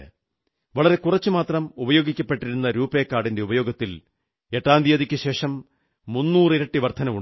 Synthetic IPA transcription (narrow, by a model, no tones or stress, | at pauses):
ʋɐɭɐɾe̞kurɐt͡ɕːɨmaːt̪rɐmubɐjo̞ːɡikʲːɐpːe̞ʈːiɾunːɐɾuːpːeːkːaːɽinde̞ubɐjo̞ːɡɐt̪ːil | e̞ʈːaːnd̪ʱiʋɐðikʲːɨɕe̞ːʂɐmː | unːuːrɨiɾɐʈːɨʋɐrt̪ʰɐnɐmu